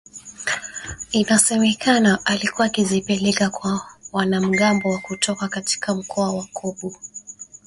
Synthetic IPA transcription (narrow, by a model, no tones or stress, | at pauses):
inasɛmɛkʰanaʔalikuwaːkizipɛlɛkakwawanam̩ɠambɔwakutʰɔkakati̥kʰam̩kʰɔawakʰɔɓu